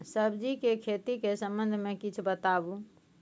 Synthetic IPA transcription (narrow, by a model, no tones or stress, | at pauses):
səbd͡ʒikekʰet̪ikesəmbənd̪ʱmẽkit͡ʃʰbət̪abu